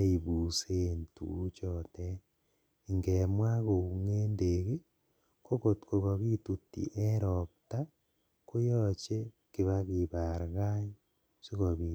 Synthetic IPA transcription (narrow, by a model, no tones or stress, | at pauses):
iβusentṵut͡ʃote | iŋɡemwaɣouŋeːndeɣe | kokotkoɣoɣitutḭʔeɾopta | kujot͡ʃekiβaɣiβaɾɣaɲ | siɣoβi